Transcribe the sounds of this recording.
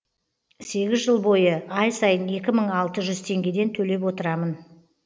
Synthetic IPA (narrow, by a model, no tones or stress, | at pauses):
se̞ɡʲɪzʒəlˠbo̞jəɑjsɑjəne̞kʲɪməɴɑlˠt̪əʒʏzt̪ʰe̞ŋɡʲe̞d̪e̞nt̪ʰɵle̞p̬wo̞t̪əɾɑmən